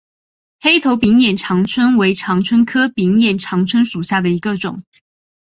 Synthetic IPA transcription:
xe˥ɪt̪ʰo˧˥ʊpi˧˥ŋjɛ˨˩nʈ͡ʂʰɑ˧˥ŋt͡sʰwə˥nwe˧˥ɪʈ͡ʂʰɑ˧˥ŋt͡sʰwə˥nkʰɤ˥pi˧˥ŋjɛ˨˩nʈ͡ʂʰɑ˧˥ŋt͡sʰwə˥nʂu˨˩ɕja˥˩d̪ə˩i˧˥ɡə˧ʈ͡ʂʊ̰˨˩˦ŋ

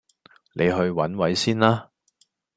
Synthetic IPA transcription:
lʔe˨˧jɦɵ˧ɥwɐ̰˨˥nwɐ˨˥jsiː˥nlaː˥

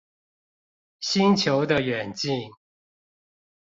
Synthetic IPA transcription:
ɕi˦nt͡ɕʰjo˧˦ʊd̪ə˧ɥɛ˨˩nt͡ɕi˥˨ŋ

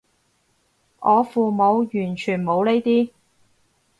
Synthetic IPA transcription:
ʔɔː˨˧fuː˨mo˨˧wjyː˨˩nt͡ʃʰyː˨˩nmo˨˧wne˥jt̪iː˥

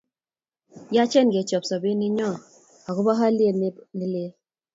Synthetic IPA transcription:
ja˦t͡ʃɛ˦nɡe˨t͡ʃɔ˨psɔ˨bi˦nɪ˦ɲɔ˦˨ | a˨kʊ˦ba˦ɦa˦lje˦ni˦le˦

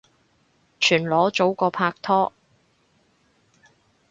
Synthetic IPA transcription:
t͡ʃʰyː˨˩nlɔː˨˥t͡so˨˥wkɔː˧pʰaː˧k̚t̪ʰɔː˥

